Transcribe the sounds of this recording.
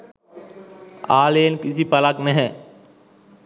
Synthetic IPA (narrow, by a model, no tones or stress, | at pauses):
aːlenkisipɐlaknɛɦɛ̃